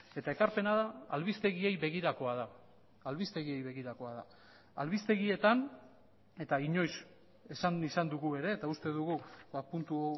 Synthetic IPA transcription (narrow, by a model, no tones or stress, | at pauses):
e̞t̪ae̞kaɾpe̞naðaːlβist̪e̞ɣie̞jβe̞ɣiɾako̞aðaː | lβist̪e̞ɣie̞jβe̞ɣiɾako̞aða | alβist̪e̞ɣie̞t̪an | e̞t̪aiɲo̞js | e̞sanisand̪uɣue̞ɾe̞ːt̪aust̪e̞ðuɣubapunt̪u